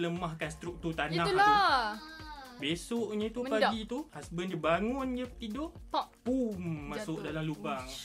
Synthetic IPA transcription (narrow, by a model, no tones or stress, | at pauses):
ləmahkanst̪ɾuk̚t̪urt̪annãla | besoʔɲə̃t̪uəpaɡit̪uhasbəndibaŋʊnd͡ʒət̪idoʔtaʔpumːasʊʔdalamlubaŋ